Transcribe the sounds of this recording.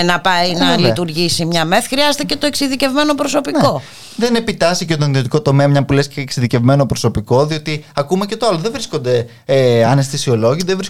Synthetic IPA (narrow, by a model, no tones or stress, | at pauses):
nɐpɐjnɐlit̪uɾʝisimɲɐme̞θxɾiɐzet̪ece̞t̪o̞eksiðice̞vme̞no̞pɾoso̞piko̞ | ðene̞pit̪ɐsicet̪o̞niðio̞t̪iko̞t̪o̞meɐmɲɐpulesceːksiðice̞vme̞no̞pɾo̞so̞piko̞ðio̞t̪iɐkumece̞t̪oɐloðevɾisko̞nd̪e̞ | eɐnest̪isio̞lo̞ʝiðevɾis